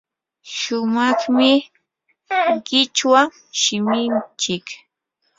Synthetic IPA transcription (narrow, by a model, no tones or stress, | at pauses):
ʃʊmɑχmɪ | ɢɪt͡ʃwaŋ | ʃɪmɪnt͡ʃɪk